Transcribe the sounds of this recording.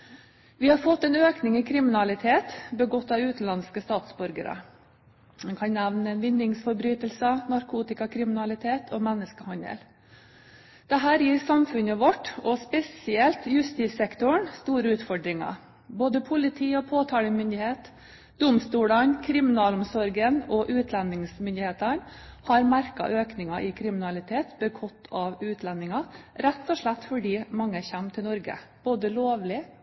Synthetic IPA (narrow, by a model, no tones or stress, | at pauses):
ʋɪhɑɾfɔt̪ːɛːnøːknɪŋiːkʰɾɪmɪnɑlɪt̪ʰeːt̪bəɡɔt̪ːɑːʋʉːt̪n̩lɑnskəst̪ɑːt̪sbɔɾɡə̰ɾə̰ | mɛnkʰɑnnæʋnəʋɪnd̪ɪŋsfɔɾbɾyːt̪əlsənɑɾkʰuːt̪ɪkɑkʰɾɪmɪnɑlɪt̪ʰeːt̪ʰoːmɛnːəskəhɑnd̪ə̰l | d̪̥ɛɦæːɾjiːɾsɑmfʉnəʋɔʈɔspɛsɪɛlt̪jʉst̪iːsɛkt̪ʊɳst̪uːɾəʉːt̪fɔɖɾɪŋɑ̰ | boːd̪əpʰʊlɪt̪ʰiːɔpʰoːt̪ʰɑːləmʏnd̪ɪheːt̪ | d̪̥ʊmst̪uːlɑnkʰɾɪmɪnɑːlʊmsɔɾɡənɔʔʉːt̪ʰlɛnɪŋsmʏnd̪ɪheːt̪əɳhɑɾmæɾkɑ̰ʔøːknɪŋɑʔɪkʰɾɪmɪnɑlɪt̪ʰeːt̪bəkʰɔt̪ʰːɑʋʉːt̪ʰlɛnːɪŋɑɾæt̪ːɔʂɭæt̪ːfɔɖiːmɑŋːəçæmːt̪ʰɪlnɔɾɡə̰b̥oːd̪əloːʋlɪ